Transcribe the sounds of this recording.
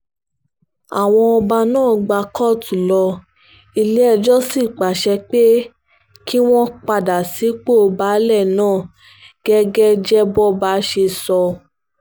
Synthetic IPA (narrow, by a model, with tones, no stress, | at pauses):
a̰˨w̃ɔ̃˧ɔ˧ba˧nãː˦˨ɡ͡ba˧kɔ˦˨tu˨lɔ˧ | i˧le˨˦ɛ˦˧˨d͡ʒɔ˦si˦˨k͡pa˨ʃɛ˧k͡pe˦ | ki˦w̃ɔ̃˦k͡pa˧da˨si˨˦k͡po˦o˧ba˦lɛ˦˨nãː˦˨ | ɡ̥ɛ˦ɡɛ˦d͡ʒɛ˦bɔ˦ba˦ʃe˧sɔ˧